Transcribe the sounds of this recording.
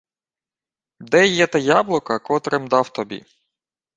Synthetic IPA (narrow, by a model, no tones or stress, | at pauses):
d̪ɛjːɛt̪ɛjablˠɔkɐkɔt̪ɾemd̪ɑwt̪ɔbʲḭ